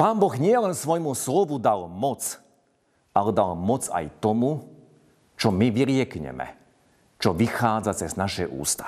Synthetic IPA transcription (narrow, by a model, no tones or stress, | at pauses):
paːnbɔɣɲɪɛlɛnsʋɔjmuslɔʋud̪almɔt͡s | alɛd̪almɔt͡sa̰jt̪ɔmu | t͡ʃɔmiʋiɾɪɛkɲɛ̰mɛ̰ | t͡ʃɔʋixaːd͡zat͡sɛznaʃɛʔṵːst̪ḁ